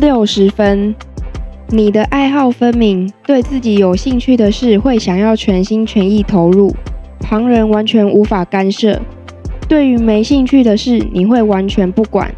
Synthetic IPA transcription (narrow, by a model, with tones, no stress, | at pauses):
ljo˥˩ʊʂɻ̩˧˥fə˦n | ni˨˩d̪ə˦ʔa˥˧ɪxɑ˥˩ʊfə˦nmi˧˥ŋt̪we˥˧ɪt͡sɹ̩˥˩t͡ɕi˧˥jo˨˩ʊɕi˥˧ŋt͡ɕʰy˥˩d̪ə˩ʂɻ̩˥˨xwe˥˩ɪɕjɑ˨˩ŋjɑ˥˩ʊt͡ɕʰɥɛ˧˦˥nɕi˥nt͡ɕʰɥɛ˧˦˥ni˥˩t̪ʰo˧˦˥ʊɻu˥˩pʰɑ˧˥ŋɻə˧˥nwa˧˦nt͡ɕʰɥɛ˧˥nʔu˧˥fa˨˩ka˦nʂɤ̰˥˩ | t̪we˥˩ɪy˧˥me˧˥ɪɕi˥˧ŋt͡ɕʰy˥˩d̪ə˨ʂɻ̩˥˩ni˨˩xwe˥˩ɪwa˧˦nt͡ɕʰɥɛ˧˦npu˥˩kwa̰˨˩˦n